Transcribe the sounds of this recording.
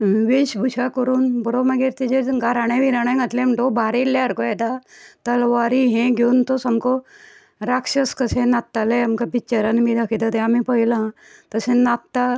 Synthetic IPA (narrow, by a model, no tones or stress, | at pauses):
ʋeɕbʱuɕakəɾuːnbɔɾoməɡeɾt̪id͡ʑeɡaɾaɽ̃ẽʋiɾaɽ̃ãŋɡat̪lẽm̤ʈobʱaɾelːaəɾkoɛt̪at̪əlʋaɾiɦẽɡʱeunt̪osamkɔ | ɾakʂəskəsẽnat̪ːaleamkabit͡ɕəɾənmiːd̪akʰit̪at̪eamipəɦilã | t̪əsẽnap̚t̪a